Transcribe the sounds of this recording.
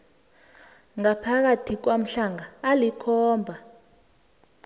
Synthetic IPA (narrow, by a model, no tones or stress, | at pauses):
ŋapʰak̬atʰik̬wam̩ɬaŋaːlikʰɔːmbʱa